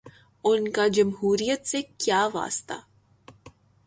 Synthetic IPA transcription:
ʊnkad͡ʒɐmɦuːɾijət̪sekjaːʋa̰ːst̪a̰ː

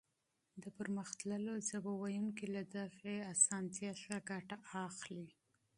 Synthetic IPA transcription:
d̪əpəɾməxt̪ləlozabawajunkelad̪aɣeasɑnt̪jɑʃaɡaʈaɑxli

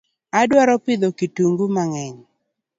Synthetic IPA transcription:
adwaɾɔpɪd̪okituŋɡumaŋɛɲ

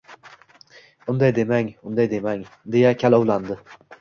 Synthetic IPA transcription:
ʊnd̪ajd̪e̞maŋʊnd̪ajd̪emaŋd̪e̞jakʲʰalɒwlˠand̪ɪ

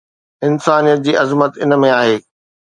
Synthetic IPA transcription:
ɪnsaːnijət̪̚d͡ʑiːʔɐzmət̪ɪnmẽaːɦeː

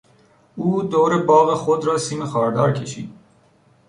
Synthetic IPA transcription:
uːd̪oːɾebɒːɣexod̪ɾɒːsiːmexɒːɾd̪ɒːɾkʲʰeʃḭːd̪

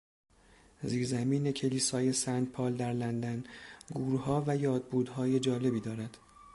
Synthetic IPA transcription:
ziːɾzæmiːne̞cʰe̞liːsɒːje̞sænd̪̚pʰɒːld̪æɾlænd̪ænɡuːɾuhɒːvæjɒːd̪̚buːd̪hɒːje̞d͡ʒɒːle̞biːd̪ɒːɾæd̪̥

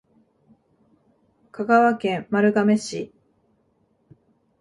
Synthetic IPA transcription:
kaɡaβakẽ̞mmaɾɯ̟ɡame̞ɕi

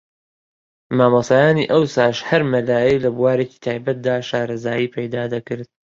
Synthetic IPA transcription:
maːmɑsaːjaːniːʔɐwsaːʃhɐɾmɐlaːjejlɐbuwaːɾeːci̥ːt̪ʰaːjbɐt̪̚d̪aːʃaːɾɐzaːjiːpʰɐjd̪aːd̪ɐkɨɾd̪̥̚

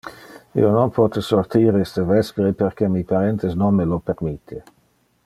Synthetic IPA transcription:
ḭːononpʰɔt̪esort̪iːɾist̪evɛspɾeperkemipaɾɛnt̪esnonmelopermit̪ʰːe

